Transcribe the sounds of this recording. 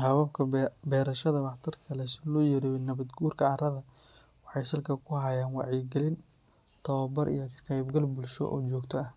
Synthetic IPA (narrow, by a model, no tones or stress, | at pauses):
hɐβɐbkʰɐbɛːɾɐʃɐðɐwɑħt̪ʰɐrkʰɐlɛsɪlɔːjɐɾijɛnɐβɐd̪ɡuːrkʰɐɐrɐðɐ | wɑħɑjsɐlkʰɐkʰʊɦɐjaːnwɑʕjɪɡɛlɪn | t̪ʰɐwɐbɐɾʔḭjɞkʰɐ̥qɛjbɡɐlbʊlʃɔ̰ʔɔ̰ːt͡ʃɔːɡt̪ʰɔɐh